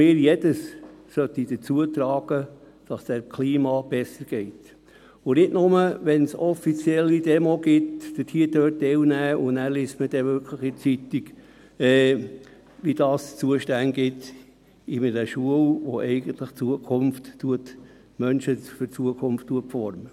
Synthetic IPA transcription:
mɪːɾjɛd̥əssœt̪ːid̥̪ət͡suətɾɑːɡ̥ə | d̥ɑsd̥̪ækʰliːmɑb̥ɛsəɾɡ̥ɛɪt̪ | ʊnɪdnʊməʋɛnsɔfit͡sjɛlːidɛmoɡɪtd̥ətʰiədøːtdɛlnæːʊnæːɾliːsməd̥ɛʋʏɾkʰləχit͡sit̪iɡ | ɛː | ʋid̥ɑːst͡suəʃtænɡɪt | imɪdɛʃuəlʋo̰ʔɛɪɡənt̪ləχt͡suəkʰʊmftːuət̪ | mœnʃəfʏɾt͡suəkʰʊmftːuəpfɔɾmə

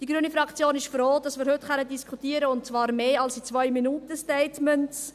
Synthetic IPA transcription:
d̥iɡɾyənifɾɑkt͡sjoːnɪʃfɾoːdɑsmɪːɾhʏtχœnədiskʰχutiːəɾəʊntt͡svɑːɾmeːɑlsit͡svœʏminuːtəstɛɪtmɛnts

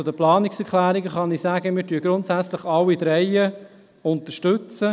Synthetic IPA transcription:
t͡sʊd̪əplɑːnɪksɛɾkʰlæːɾiɡəχɑnɪsæːɡəmɪːtyəɡ̥ɾʊntsæt͡slɪχɑlːid̪ɾɛɪə | ʊnt̪əʃtʏt͡sə

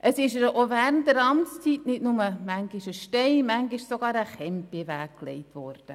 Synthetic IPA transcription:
ʔəsɪʃəʔovæːɾəntːəɾɑmt͡st͡siːtnɪdnʊməmæŋɡɪʃəʃtɛɪmæŋɡɪʃsoɡɑːɾəχɛmpivæːkklɛ̰ɪtʋɔːɾd̥ə

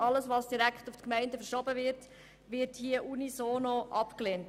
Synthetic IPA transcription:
ɑləsʋɑsd̥iɾækχtuftkmɛɪndəfəɾʃɔbəʋɪɾt | ʋɪɾthiəʔunisoːnɔʔɑpkleːnt

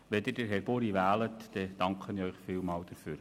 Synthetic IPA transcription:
ʋɛd̪əd̥əɾɦɛɾb̥oɾiʋæːlətdɛd̥ɑŋkχənœʏχfiːlmɑːld̥̪əfyːɾ

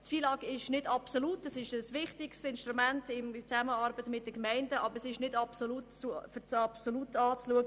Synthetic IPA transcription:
tfiːlɑːɡɪʃnɪdɑpsolutɛsɪʃəsʋɪχtɪkstɪnʃtɾumæntɪmt͡sæməɑɾbətmɪt̚d̥əkmɛɪndəʔɑbəɾɛsɪʃnɪdɑpsoluːtufɪt͡sɑpsoluːtɑːt͡sluəɡə

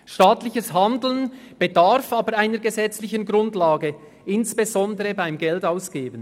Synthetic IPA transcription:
ʃtaːtlɪçəsɦandl̩ən | b̥edaʁfaːbəɾaɪnəɾɡəzɛt͡slɪçənɡʁʊntlaːɡə | ʔɪnsb̥ezɔndəʁəbaɪmɡɛltaʊsɡ̥eːbən

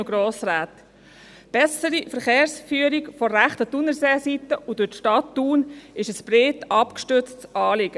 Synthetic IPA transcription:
oɡɾoːsraːt̪ | b̥ɛsəɾifəɾχeːɾsfyːəɾiɡfɔːæχt̪ətʊnəseːsitːəʔʊdʊtʃtɑtːuːnɪʃəsb̥ɾeːtɑpkʃtøt͡stt͡sɑːlɪɡ̥ə

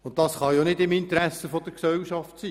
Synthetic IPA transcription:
ʊntdɑsχɑjonɪdɪmɪnt̪əɾæsəfɔd̥əɾksɛlʃɑftsiː

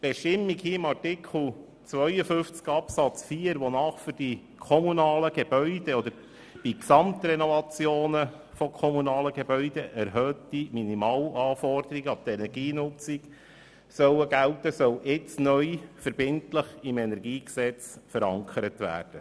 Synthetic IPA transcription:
b̥ɛʃtɪmːikhiəɪmɑrtɪkʰl̩ | t͡sʋœʏəfʏft͡skɑpsɑt͡sfiːəɾʋɔnɑːχfyɾd̥i | kʰɔmunɑːləɡ̥eb̥œʏd̥ɛɔd̪əɾ | b̥iksɑmt̪ɾɛnɔvɑt͡sjoːnə | fɔkʰɔmunɑːləɡebœʏd̪ɛʔæɾɦøːtːiminimɑːlɑːfɔrd̪əɾiɡəɑb̚t̪ɛnɛɾɡiːnʊt͡sik | sœwəɡæltəsœlʔɪt͡snœʏfəɾbɪntləχɪmɛnɛɾɡiːksɛt͡sfəɾɑŋkʰəɾətʋæ̰ːrd̥ə

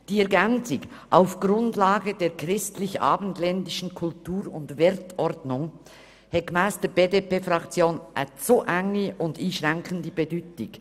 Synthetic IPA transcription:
d̥iːɛɐɡɛnt͡sɪk | ʔaʊfɡ̥ɾʊndlaːɡəd̥eːɾkʁɪstlɪça̰ːbən̩tlɛndɪʃn̩kʰʊltuːɾʊndvɪɾtɔɾdnʊŋ | hɛkmaɪstəb̥eːdepeːfʁɑkt͡sjoːnʔɛtsoʔɛŋiʊndiːʃʁɛŋkʰəndibedyːtɪk

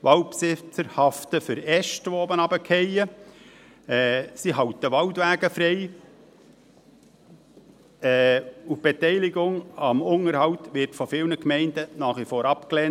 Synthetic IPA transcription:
ʋɑlpsɪt͡səɾhɑftəfʏɾɛʃtʋooːbənɑbəkʰɛjə | ɛsiɦɑwtəʋɑwtʋæːɡ̥əfɾɛɪ | ɛːub̥etɛɪlɪɡʊŋɑmʊŋəɾhɑwt̪ʋɪtfɔfɪlnəkmɛɪndənɑːχʋifoːɾɑpklɛn

